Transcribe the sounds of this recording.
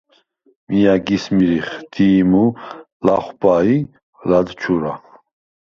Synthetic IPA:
mijaɡismiɾiχd̪̥iːmu | laχwpai | lad̪t͡ʃʰuɾa

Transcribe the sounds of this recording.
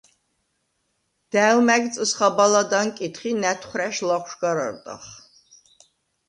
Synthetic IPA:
d̪̥æːwmæɡt͡sʼɨsχabalad̪ankʼit̪χiːnætʰχʷræʃlaχʷʃɡaɾɐ̰rt̪ʼɐ̰χ

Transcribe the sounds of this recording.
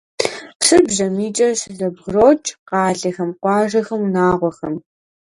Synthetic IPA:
sɨbʑɐmiːt͡ʃʼɐɕzɐbʁroːt͡ʃʼqɑːɮɐxɐmqʷɑːʒɐxɐmunaːʁʷɔxɐm

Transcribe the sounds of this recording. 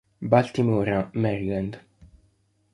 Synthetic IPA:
balt̪imuɾamɛɾiland̪

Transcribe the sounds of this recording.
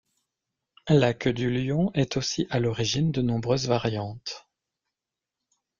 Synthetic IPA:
lakəd̪yljɔ̃ʔɛt̪osiʔalɔʁiʒind̪ənɔ̃bʁøzvaʁjɑ̃t̪

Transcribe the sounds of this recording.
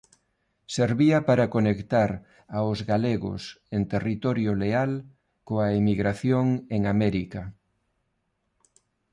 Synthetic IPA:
seɾβiɐpaɾɐkonekt̪aɾ | aʊzɣaleɣʊ̰sent̪erit̪ɔɾjoleal | koaemiɣɾaθjoŋeŋamɛɾikɐ

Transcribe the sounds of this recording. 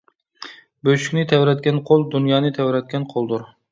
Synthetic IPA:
bøʃy̥kʲnɪt̪ʰɛwɾɛt̪̚kʲɛnqʰolˠd̪unjɑːnɨt̪ʰɛwɾɛt̪̚kʲɛnqʰolˠd̪uɾ

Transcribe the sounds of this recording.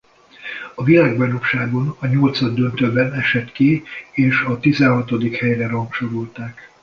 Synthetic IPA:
ɒvilaːɡbɛnokʃaːɡo̞nɒɲolt̪sɒd̪ːønt̪øbɛnɛʃɛt̪kieːʃɒt̪izɛnɦɒt̪o̞d̪ikhɛjrɛrɒŋkʃoɾolt̪aːk

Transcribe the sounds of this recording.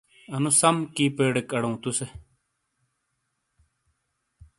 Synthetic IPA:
ɐnũsɐmkiːpeːɽekɐɽɐũːt̪use

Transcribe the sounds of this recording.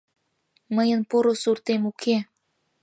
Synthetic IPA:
məjənpoɾosurt̪emukʰe

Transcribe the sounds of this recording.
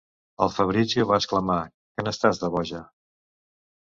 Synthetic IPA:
ə̰lˠfəβɾizəβaskləma | kənəst̪azðəβɔʒə

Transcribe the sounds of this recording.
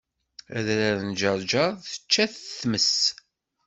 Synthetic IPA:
æ̰ðɾæðənd͡ʒəɾˤd͡ʒəɾˤθə̥t͡ʃːæθθməs

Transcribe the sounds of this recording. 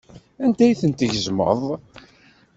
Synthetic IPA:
ænd̪æjθənt̪əʝəzmə̰ðˤ

